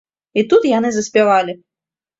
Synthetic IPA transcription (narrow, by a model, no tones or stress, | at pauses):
it̪ut̪janɨzɐsʲpʲavalʲi